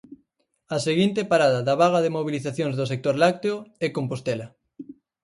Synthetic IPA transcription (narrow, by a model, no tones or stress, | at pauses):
aseɣ̞int̪epaɾaðaðaβaɣ̞aðemoβ̞iliθaθjõŋzðosek̚t̪oɾlak̚t̪eoɛkompost̪ɛla